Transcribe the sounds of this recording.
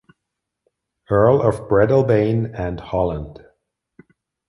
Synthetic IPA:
ɜ˞lˠʌvbɹɛdl̩ˠbẽɪ̃nɨ̃ndhɑlˠə̃nd̥

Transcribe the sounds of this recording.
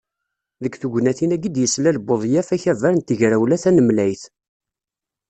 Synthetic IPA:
ðəkθuɡʷnæθinæɡid̪jəslælboðˤjæfæçævæɾnt̪əʝɾæwlæθænəmlæjθ

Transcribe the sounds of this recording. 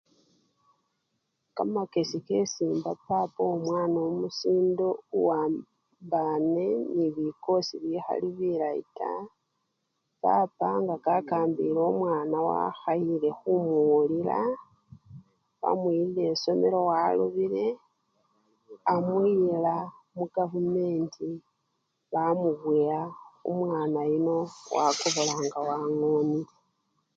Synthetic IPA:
kamake̞sike̞siːmbapapomwaːnomusiːndo̞uwa | mbane̞niβiko̞siβixa̰liβiɾaḭta̰ | papaŋɡakakaːmbilomwaːnawa̰xaile̞xumulila̰ | βa̰mwilile̞so̞meɾo̞waluβiɾe̞ | amwila | muɡ̥avume̞ːnti | βamuβwiaṵmwaːnajino̞wa̰ko̞βo̞laːŋɡawaŋoːnie

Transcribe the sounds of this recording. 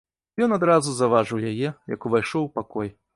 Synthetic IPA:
jɔnad̪ɾazuzavaʐɨwjajɛjɐ̰kuvajʂɔwpakɔj

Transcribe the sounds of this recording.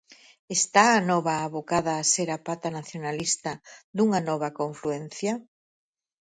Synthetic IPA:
est̪aːnɔβaːβokaðaːseɾapat̪anaθjonalist̪ɐd̪uŋanɔβɐkoɱfluɛn̟θjɐ

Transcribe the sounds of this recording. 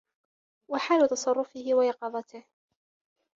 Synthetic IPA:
waħaːlʊt̪ɑsˤɑrˤːʊfɪhɪwajɑqɑðˤɑt̪ɪh

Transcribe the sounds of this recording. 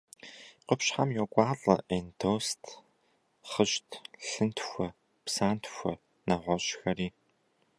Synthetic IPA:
qəpɕħamjɔkʷʼɑːɮʼɐ̰ʔendʰoːstʰ | χəɕtʰɬɨntʰxʷɔ | psaːntʰxʷɔ̰ | nɐʁʷɔɕxɐriː

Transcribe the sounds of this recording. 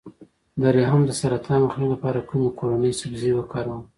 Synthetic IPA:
d̪aɾaɦamd̪əsaɾat̪ʰɑnaxnilapɑɾakumekʰoɾanəjsabzewəkɑɾawəm

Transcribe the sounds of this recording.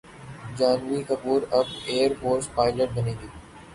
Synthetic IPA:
d͡ʒaːnʋikɐbuːɾɐbeːəɾfoːɾspaːɪləʈ̚bɐneːɡ̪iː

